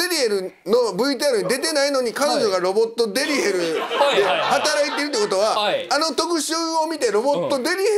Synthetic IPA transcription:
eɾʲieɾɯ̟ | no̞bɯ̟it̪aɾoɲid̪e̞t̪e̞naino̞ɲ̟ikano̞ʑo̞ɡaɾo̞bo̞t̪ːo̞d̪e̞ɾʲiɦeɾɯ̟d̪e̞hat̪aɾait̪e̞ɾɯt̪ːoikot̪oβaano̞t̪o̞kɯ̟ɕɨːomʲit̪e̞ɾo̞bo̞t̪ːo̞d̪e̞ɾʲie

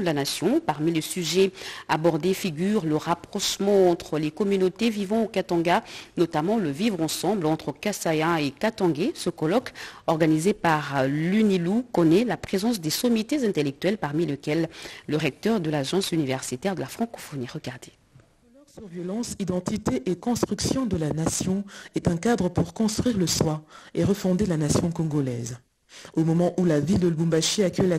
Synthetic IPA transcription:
d̪əlanasjɔ̃paʁmilesyʒɛabɔʁd̪efiɡʲyʁləʁapχɔʃmɑ̃ɑ̃t̪χəlekɔmynot̪evivɑ̃okat̪ɑ̃ɡanɔt̪amɑ̃ləvivʁɑ̃sɑ̃blɑ̃t̪χəkasaɛ̃ekat̪ɑ̃ɡesəkɔlɔkɔʁɡanizepaʁlynilukɔnɛlapχezɑ̃sd̪esɔmjet̪ezɛ̃t̪elɛk̚t̪ɥɛlpaʁmilekʲɛlːəʁɛk̚t̪œʁd̪əlaʒɑ̃synivɛʁsit̪ɛʁd̪əlafχɑ̃kɔ̥fɔniɛʁəɡaʁd̪e̥ | ɔlɔksyʁvjɔlɑ̃sid̪ɑ̃t̪it̪eʔekɔ̃st̪χyksjɔ̃d̪əlanasjɔ̃ɛt̪ɛ̃kad̪ʁəpuʁkɔ̃st̪χɥiʁləswaeʁəfɔ̃d̪elanasjɔ̃kɔ̃ɡɔlɛz | omɔmɑ̃ʔulavild̪əlbũbaʃiakʲɛjla

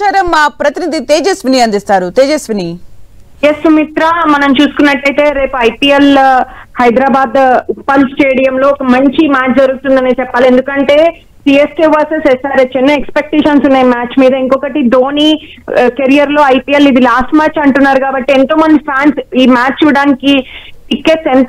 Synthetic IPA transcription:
aːɾɐmːaːpɾɐt̪inid̪it̪eːd͡ʒesʋiniɐnd̪ist̪aːɾut̪eːd͡ʒesʋini | jesumit̪ɾaːmɐnɐmt͡ʃuːsu̥kunːɐʈːɐjt̪e̞ːɾe̞ːpuɐjpiːelhɐjd̪ɾaːbaːd̪pɐlsʈeːɽijɐmlo̞ːɔkɐmɐɲt͡ʃimaːt͡ʃd͡ʒɐɾuɡst̪und̪ɐnit͡ʃɛpːaːlie̞nd̪ukɐɳʈe̞ː | siːesʈiːʋɐːɾsesesaːɾɐt͡ʃːenuekspek̚ʈeːʃɐnsunːaːjimaːt͡ʃmiːd̪ɐiŋkɔkɐʈid̪oːniː | keɾijɐɾlo̞ːɐjpiːelid̪ilaːsʈmaːt͡ʃɐɳʈunːaːɾukaːbɐʈːient̪o̞ːmɐnd̪ipʰaːnsiːmaːt͡ʃt͡ʃːuʋiɽaːnikiikːesen

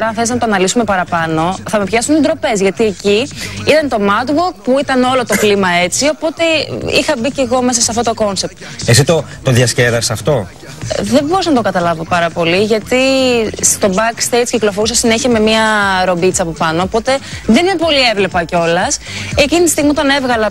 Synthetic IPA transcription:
ɾɐnθeliznɐt̪oɐnɐlisume̞pɐɾɐpɐno̞θɐmepçɐsunid̪ɾo̞pe̞zʝɐt̪ieciit̪ɐnt̪o̞mɐd̪wok̚puit̪ɐno̞lo̞t̪o̞plimɐe̞t͡sio̞po̞t̪e̞ixɐbice̞ɣo̞me̞sɐseɐft̪ot̪o̞ko̞nse̞p̚t̪es̬it̪o̞ | t̪o̞ðjɐsceðɐsɐft̪o̞ | ðebo̞ɾusnɐt̪o̞kɐt̪ɐlɐvo̞pɐɾɐpo̞liʝɐt̪ist̪o̞bɐkst̪e̞jt͡sciklo̞foɾusɐsineçiɐme̞miɐɾo̞bit͡sɐpo̞pɐno̞ːpo̞t̪e̞ðenimepo̞lievle̞pɐco̞lɐsecinit̪i̥st̪iɣmiot̪ɐne̞vɣɐlɐ

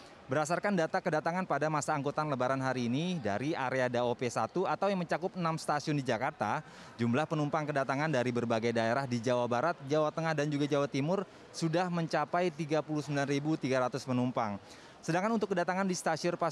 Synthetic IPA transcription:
bəɾas̬arkandat̪akədat̪aŋanpadamasaːŋɡot̪aanləbaɾanɦaɾiːnida̰ɾiaɾeadaopesat̪uat̪awjaŋməɲt͡ʃakʊpənamst̪asiʊndid͡ʒakart̪a̰ | d͡ʒumlahpənumpaŋkədat̪aŋandaɾibərbaɡajdaeɾahdid͡ʒawabaɾat̪̚d͡ʒawat̪əŋahdand͡ʒuɡad͡ʒawat̪imʊr | sudahməɲt͡ʃapajt̪iɡapuluhsəmbilanribut̪iɡaɾat̪ʊspənumpaŋ | sədaŋkanunt̪ʊkːədat̪aŋandist̪asiʊnpa

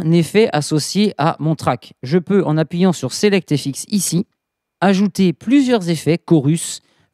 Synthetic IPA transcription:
nɛfɛʔasɔsjeʔa̰mɔ̃t̪χakʒəpøʔɑ̃napɥijɑ̃syʁselɛk̚t̪efiksisi | aʒut̪eplyzjœʁzefɛkɔʁys

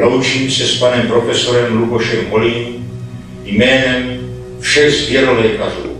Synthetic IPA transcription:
lɔwt͡ʃiːmsɛspanɛmpɾɔfɛsɔɾɛmlubɔʃɛmɦɔliːn | imɛːɦɛm | fʃɛɣzvjɛɾɔlɛːkaɾṵː

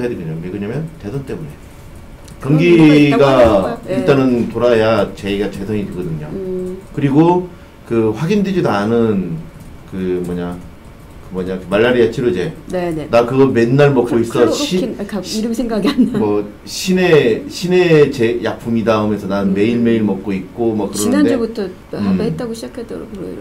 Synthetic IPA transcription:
jadeɡɯɲomeɡɯɲamjʌnte̞sʰʌnt͈emune̞ | kʌmɡiɡaiɭt͈anɯntoɾaɦejat͡ɕeiɡat͡ɕe̞sʰaŋidweɡʌdɯɲokɯɾiɡo | kɯɸwaɡindwed͡ʑidanɯn | kɯmʌɲa | kɯmʌɲakɯmaɭːaɾijat͡ɕʰiɾod͡ʑe̞nenakɯɡʌme̞nːaɭmʌk͈oiss͈ʌɕikiiɾɯmsʰeŋɡaɡianmʌ | ɕʰine̞ɕʰine̞t͡ɕejapʰumidaɯmjʌnsʰʌnaɯnme̞iɭme̞iɭmʌk̚k͈oik͈omʌkɯɾʌnɯded͡ʑebutʰʌ | et͈̚aɡoɕʰid͡ʑakʰet͈ʌɾ̰k

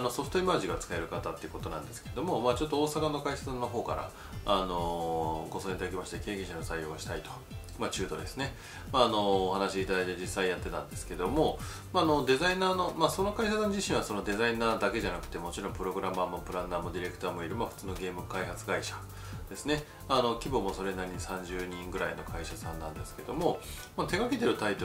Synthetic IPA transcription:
no̞so̞ɸɯ̥t̪oimaːʑiɡat͡sɨ̥kae̞ɾɯ̟kat̪at̪ːe̞iɯ̟ko̞t̪o̞nã̰nd̪e̞sɨ̥ke̞ed̪o̞mo̞maːt͡ɕot̪ːooːsakano̞kaisasãnːo̞ɦo̞ːka̰ɾa̰ | ano̞ɡo̞soẽit̪ad̪akemaɕi̥t̪eke̞ːɡẽ̞ɕanosaijo̞ːɕi̥t̪ait̪o | mat͡ɕɨːd̪o̞̰d̪e̞sɨne̞ | maːno̞ːɦanaɕiiːt̪ad̪ait̪ed͡ʑisːaijat̪ːe̞t̪ã̰nd̪e̞sɨ̥ke̞d̪o̞mo̞ | maːno̞d̪e̞zainaːno̞maso̞no̞kaiɕasãɲ̟d͡ʑiɕĩɰ̃βaso̞no̞d̪e̞zainaːd̪ake̞ʑanakɯ̟̥t̪e̞mo̞t͡ɕiɾõ̞mpɯ̟ɾo̞ɡɯ̟ɾamaːmo̞pɯ̟ɾanaːmo̞d̪ʲiɾe̞kɯ̟t̪aːmo̞iɾɯ̟maɸɯ̟̥t͡sɨːno̞ɡe̞ːmɯ̟kaiɦat͡sɨɡaiɕḁ | d̪̥e̞sɨne̞ | maːno̞kʲibo̞mo̞so̞ɾe̞naɾʲiɲ̟isãɲ̟d͡ʑɨːɲ̟ĩŋɡɯ̟ɾa̰ino̞̰kʰaiɕasãnːã̰nd̪e̞sɨ̥ke̞d̪o̞mo̞mat̪e̞ɡaket̪e̞ɾɯ̟t̪ait̪o

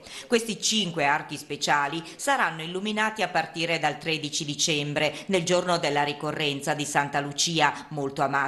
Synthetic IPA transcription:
kwest̪it͡ʃiŋkweark̟ispet͡ʃaːli | saɾanːoilːuminaːt̪iapːart̪iːɾed̪alt̪ɾed̪it͡ʃid̪it͡ʃɛmbɾeneld͡ʒornod̪elːaɾikorːɛnt̪sad̪isant̪alut͡ʃiːamolt̪oamaː

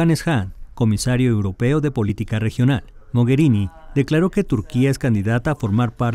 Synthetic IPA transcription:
anesxanko̞misaɾjo̞ewɾo̞pe̞o̞ðe̞po̞lit̪ikare̞xjo̞nal | mo̞ɣe̞ɾinid̪̥e̞klaɾo̞ke̞t̪uɾkiae̞skand̪iðat̪aːfo̞ɾmaɾpaɾ

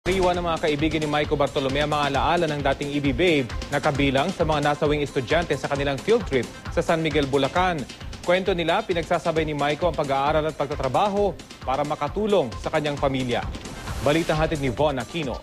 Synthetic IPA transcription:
ɐɾiːwɐnɐŋmɐŋakɐʔɪbiːɡɐnɪmajkobɐɾt̪olomɛʔɐmɐŋalɐʔaːlɐnɐŋd̪aːt̪ɪŋɪbibɛjbnɐkɐbiːlɐŋsɐmɐŋanaːsɐwiŋɛst̪ʊd͡ʒant̪ɛsɐkɐnɪlaŋfild̪̚t̪ɾɪp̚sɐsanmɪɡɛlbʊlɐkan | kwɛnt̪o̞nɪlapɪnɐɡ̚saːsɐbajnɪmajkoʔɐŋpɐɡaʔaːɾɐlɐt̪̚pɐɡ̚t̪ɐt̪ɾɐbaːɦo̞ | paːɾɐmɐkɐt̪uːlo̞ŋsɐkɐɲːaŋpɐmiljɐ̰bɐliːt̪ɐŋɦaːt̪ɪd̪̚nɪvonɐkiːno̰

